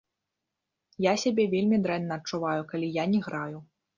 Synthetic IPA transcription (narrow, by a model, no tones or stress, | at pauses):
jasʲabʲɛvʲelʲmʲid̪ɾɛnːɐːt̚t͡ʂːuvajukalʲijanʲɛɣɾaju